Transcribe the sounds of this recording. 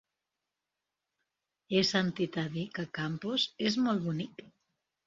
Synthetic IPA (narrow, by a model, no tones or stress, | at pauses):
esant̪it̪aðikakampozezmolβunik